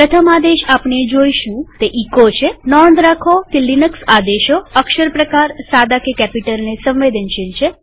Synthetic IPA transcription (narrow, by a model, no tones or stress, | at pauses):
pɾət̪ʰəmad̪eʃapɳed͡ʒoiʃũt̪eʔikot͡ʃʰenɔnd̪ɾakʰok̪elinəksad̪eʃoəkʃəɾpɾəkaɾsad̪akekɛpiʈəlnesə̃mʋed̪ənʃənt͡ʃʰe